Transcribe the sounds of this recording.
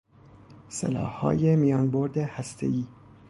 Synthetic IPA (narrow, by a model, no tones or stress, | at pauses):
sḛlɒ̰ːhhɒ̰ːjemijɒːnboɾd̪ehæst̪ʰḛiː